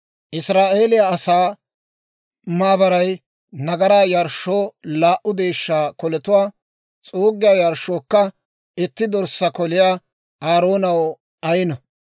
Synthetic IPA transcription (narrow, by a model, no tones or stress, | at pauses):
ʔɪsɾaːʔe̞ːlɪjaɐsaː | maːbɐɾɐj | nɐɡɐɾaːjɐɾʃːoːlaːʔʊd̪e̞ːʃːaːkɔlɛt̪ʊwaː | t͡sʼoːɡɪjaːjɐɾʃːoːkːɐ | ɪt̪ːɪd̪ɔɾsɐkɔlɪjaː | aːɾo̞ːnɐw | ɐjɪnɐ